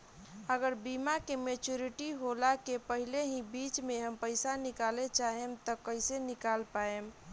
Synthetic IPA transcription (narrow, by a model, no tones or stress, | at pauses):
əɡəɾbimakemet͡ʃuɾiʈiɦolakepəɦileɦĩbit͡ʃmeɦəmpəɪsanikalet͡ʃaɦemt̪ɔkəɪsenikalpaem